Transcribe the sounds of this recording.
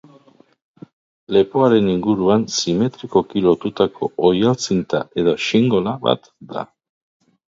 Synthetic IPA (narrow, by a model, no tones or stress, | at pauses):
le̞poaɾe̞niŋɡuɾuansime̞t̪ɾiko̞kilo̞t̪ut̪ako̞̰ːjalt͡sint̪aʔe̞ð̞o̞siŋɡo̞laβa̰t̪ | d̪a̰